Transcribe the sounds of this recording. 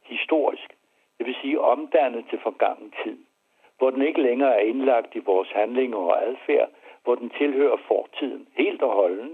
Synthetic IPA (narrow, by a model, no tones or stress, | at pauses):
hisd̥o̝ɐ̰isɡ̥ | d̥e̝ʋe̝siːʔɒ̽md̥æn̰ð̩ˠt͡sʰe̝lfɒ̽ɡ̥ɑ̈ŋ̰n̩t͡sʰið̰ˠ | ʋɒd̥ene̝ɡ̥əleŋɐːæɐe̝nlɑ̈ɡ̥d̥iʋɒːshænle̝ŋɐɒ̽ælˠfæɐ̰ʋɒd̥ent͡sʰe̝lhø̰ːɐfɒːt͡sʰið̰ˠn̩he̝̰ːld̥ɒɦɒ̽lnə